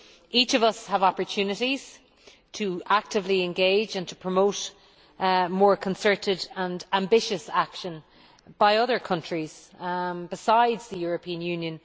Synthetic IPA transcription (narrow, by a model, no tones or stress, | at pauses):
ʔit͡ʃʌvʌshəvɑpə˞tʰʉnɪɾiz̥ | tʰəʔak̚tɪvliɛ̃nɡeɪd͡ʒə̃ntʰə̥pʰɹ̥əmoʊt | mɔːɹkʰə̃nsɜ˞ɾɪdə̃nãmbɪʃəsakʃə̃n | b̥aɪʌðə˞kʰʌ̃nt͡ʃɹ̥iz̥ | bɪsaɪdz̥ðəjɔɹəpʰĩə̃njʉ̃njə̃n